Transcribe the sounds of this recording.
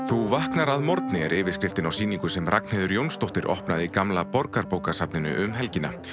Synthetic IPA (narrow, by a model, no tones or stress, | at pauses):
θuvahknaɾaðmɔɾt̪nɪɛɾɪːvɪskɾɪft̪ɪnawsiːniŋkʏsɛmrʔak̚n̥eːðʏɾjownst̪owht̪ɪɾʔɔ̰hpnaðikamlapɔɾkaɾpowkasapnɪnʏ̰ʔʏmɦɛlcɪnːa̰